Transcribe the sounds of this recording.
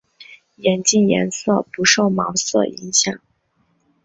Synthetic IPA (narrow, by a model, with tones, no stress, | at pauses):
jɛ˧˥nt͡ɕi˥˩njɛ̰˧˥nsɤ˥˩pu˧˥ʂo˥˩ʊmɑ˧˥ʊsɤ̰˥˩i˧˥ŋɕjɑ̰˨˩˦ŋ